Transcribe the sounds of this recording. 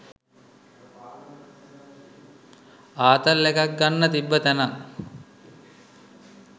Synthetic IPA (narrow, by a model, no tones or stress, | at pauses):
aːt̪əlːekak̚ɡanːət̪ibːət̪æna